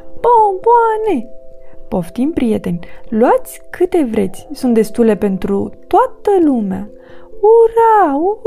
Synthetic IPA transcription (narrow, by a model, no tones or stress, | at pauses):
oboane̞po̞ft̪impɾijet̪e̞nʲluat̪sʲkɨt̪e̞vɾe̞t̪sʲsunt̪̚d̪e̞st̪ule̞pe̞nt̪ɾut̪oat̪əlumea̰ | uɾaw